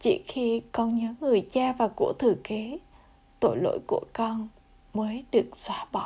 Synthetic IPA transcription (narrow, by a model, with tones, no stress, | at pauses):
t͡ɕḭ˧˩xi˧kɔ˨˧˦nɲɨː˨˦ŋɨ˨˩əjt͡ɕaː˧vaː˨˩kṵ˧˩ət̪ʰɨ˨˩ke˨˦ | t̪o˧˩jlo̰˧˨jkṵ˧˩əkɔ˧n | məː˨˦jɗɨ˨˩ək̚swaː˨˦ɓɔ˧˩